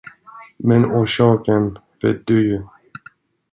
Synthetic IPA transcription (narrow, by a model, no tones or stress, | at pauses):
mɛnuːʃɑːkən | vɛd̪ʉj